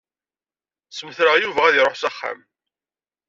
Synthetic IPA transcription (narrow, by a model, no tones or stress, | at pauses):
səməθɾəʁjuvææðiɾˤoħsæχːa̰m